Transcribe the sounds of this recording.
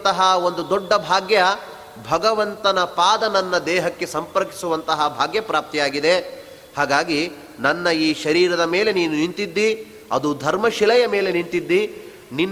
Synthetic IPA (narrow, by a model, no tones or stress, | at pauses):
t̪ɐɦɐond̪ud̪ɔɖːɐbʱaːɡjɐ | bʱɐɡɐʋɐnt̪ɐnɐpaːd̪ɐnɐnːɐd̪ɛːɦɐkːe̞sɐmpɐɾki̥suʋɐnt̪ɐɦɐbʱaːɡjɐpɾaːp̚t̪ijaːɡid̪e̞ | haːɡaːɡi | nɐnːɐiːʃɐɾiːɾɐd̪ɐme̞ːle̞niːnunint̪id̪ːi | ɐ̰d̪ud̪ʱɐɾmɐʃilɐjɐme̞ːle̞nint̪id̪ːi | ninː